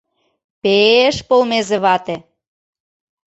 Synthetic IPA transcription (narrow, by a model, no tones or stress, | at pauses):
peeʃpolmezĕβɑt̪e